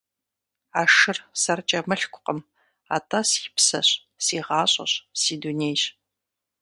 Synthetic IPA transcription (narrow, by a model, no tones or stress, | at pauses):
aːʂɨrsɐrt͡ʃʼɐmɨɬkʷʰʼʊqʼəm | a̰ːtʰaspsɐ̰ɕ | siːʁɑːɕʼɐ̰ɕsiːdunejɕ